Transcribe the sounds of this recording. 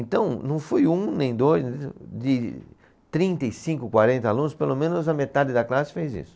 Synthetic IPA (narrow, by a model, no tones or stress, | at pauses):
ẽnt̪ɐ̃w̃nɐ̃w̃fojũnẽj̃d̪ojzd͡ʒɪ | t̪ɾĩnt̪ɐisĩŋkʊkwaɾẽnt̪ɐalũnʊspelomẽnʊzɐmet̪ad͡ʒɪd̪ɐklasɪ̥fejzḭsʊ̥